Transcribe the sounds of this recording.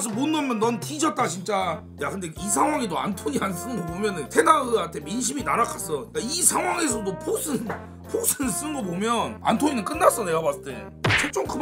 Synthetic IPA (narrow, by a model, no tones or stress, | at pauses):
s̬ɯmonːʌmjʌnːʌntid͡ʑʌt̚t͈at͡ɕint͡ɕ͈a | jakɯnde̞is̬ʰaŋɦwaŋedoa̰ntʰoɲians͈ɯnɯŋɡʌpomjʌnɯntʰenaɯantʰe̞minɕ̬ʰiminaɾakʰas͈ʌɲik͈aisʰaŋɦwaŋe̞s̬ʰʌdopʰosʰɯn | pʰosʰɯns͈ɯnɯɡʌpomjʌna̰ntʰoɲinɯnk͈ɯnːas͈ʌneɡabas͈ɯt͈ḛ | t͡ɕʰok̚t͡ɕ͈oŋkɯm